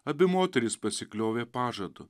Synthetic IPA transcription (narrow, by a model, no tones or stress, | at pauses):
ɐbʲɪmoːt̪ʲɛɾʲɪspɐsʲɪklʲoːʋʲeːpɑːʒɐd̪ʊ